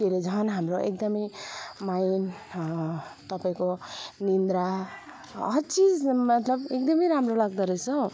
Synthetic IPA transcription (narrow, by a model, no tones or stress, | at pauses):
t̪eɾed͡zʌʌnɦamɾoʔḛk̚d̪ʌmʌjmajn | t̪ʌpaĩkonind̪ɾa | ʌ̰t͡sid͡zmʌt̪lʌbek̚d̪ʌmʌjɾamɾolaɡ̚d̪ʌɾʌjt͡sʰʌ